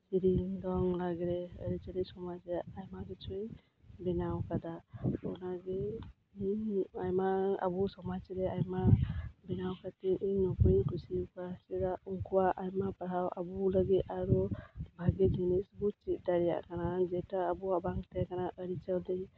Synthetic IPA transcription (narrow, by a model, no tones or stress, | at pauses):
siɾiŋd̪ɔŋlaɡɾeə̰ɾit͡ʃald̪isɔmad͡ʒeajmaɡet͡ʃʰuj | binawkad̪aɔnaɡe | iajmaa̰busɔmat͡ʃiɾeajmabinawkʰat̪iʔiŋnɔpujkʰusikasɛdauŋkuwaʔajmapaɾawʔa̰buləɡit̪aɾubʱaɡed͡ʒinisbut͡ʃit̪̚d̪aɾija̰ʔkanad͡ʒɛtaːbuabaŋt̪ɛkanaʔəɾit͡ʃald̪ij